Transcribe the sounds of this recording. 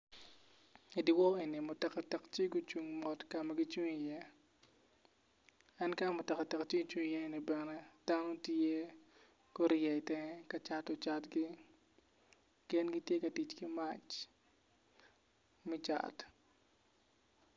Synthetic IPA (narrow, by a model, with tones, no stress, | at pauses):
i˨dɪ˨wɔ˦i˨ni˨mʊ˨tɛ˨ka˨tɛ˨kt͡ʃi˦ɡʊ˦t͡ʃu˨ŋmɔ˦tkamaɡɪ˦t͡ʃu˦ŋi˨jɛ˦ | a˦nka˦mʊ˨tɛ˨ka˨tɛ˨kt͡ʃi˦t͡ʃu˦ŋ˨jɛ˦ni˨bɛ˨nɛ˦d̥a˦nɔ˦te˦ | kɔ˦ɾɪjɛ˨ɪ˨tɛ˦ŋkat͡ʃatɔ˨t͡ʃatɡɪ˦ | kɛ˦nɡɪ˦tje˦kɐ˨ti˨t͡ʃkɪ˦ma˦t͡ʃ | mɪ˦t͡ʃa̰˨t